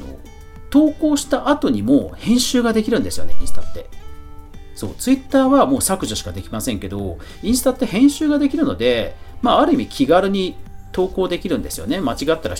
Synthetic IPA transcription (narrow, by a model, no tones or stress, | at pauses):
no̰ | t̪o̞ːko̞ːɕi̥t̪aʔat̪o̞ɲ̟imoːhẽɰ̃ɕɨːɡad̪e̞kʲiɾɯ̟̃nd̪e̞sɨjo̞̰ne̞ḭ̃sɨ̥t̪at̪ːe̞ | so̞̰ːt͡sɨit̪ːaːβamo̞ːsakɯ̟ʑoɕi̥kad̪e̞kʲimasẽ̞ŋke̞d̪o̞̰ĩɰ̃sɨ̥t̪at̪ːe̞hẽ̞ɰ̃ɕɨːɡad̪e̞kʲiɾɯ̟no̞̰d̪e̞maːaɾɯ̟imʲikʲʰiɡaɾɯ̟ɲ̟it̪o̞ːko̞ːd̪e̞kʲiɾɯ̟̃nd̪e̞sɨjo̞̰ne̞mat͡ɕiɡat̪ːaɾa̰